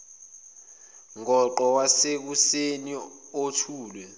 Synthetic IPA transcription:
ŋɔǃɔwasek̬useni | otʰuːlwɛ

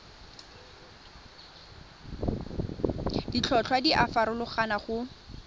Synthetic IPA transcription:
dit͡ɬʰɔt͡ɬʰwadiʔafaɾʊlʊχanaχʊ

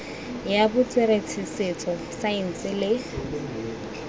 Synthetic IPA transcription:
jabʊt͡sʼweɾet͡sʰɪsɪt͡sʼɔ | saɪn̩sɪlɪ

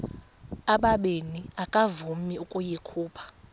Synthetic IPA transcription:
aɓaɓeniakʼavumiukʼujikʰuːpʰḁ

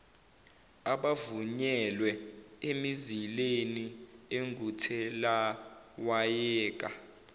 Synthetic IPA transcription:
aɓavuɲɛlwɛemizilenieŋɡʱutʰɛlawajɛːk̬ʼa

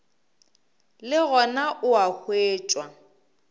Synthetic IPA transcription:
lɪɣɔnaʔʊahweːt͡ʃʼwa

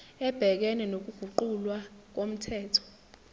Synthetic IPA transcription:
ɛb̥ʱɛk̬ɛnɛnok̬uɡ̥ʱuǃulwak̬om̩tʰɛːtʰɔ̥

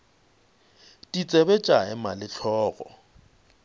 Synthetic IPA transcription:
tʼit͡sʼɛbɛt͡ʃʼaɛmalɪɬʰɔːɣɔ̰

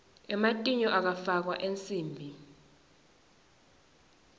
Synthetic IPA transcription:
ɛmatʼiɲɔʔak̬afak̬wa̰ʔent͡sʼiːmbʱi

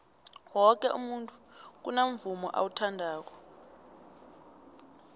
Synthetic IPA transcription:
wɔk̬ʼɛʔṵmuntʼu̥k̬unamvumɔ̰ʔa̰wutʰandʱaːk̬ɔ̥

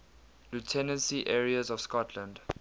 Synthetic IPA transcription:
lutʰɛnə̃nsiʔɛɹiəzɔv̥skɔtʰlə̃nd

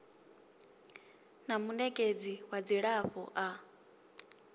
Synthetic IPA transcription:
namunɛkʼed͡ziwad͡ziɺaɸɔʔa

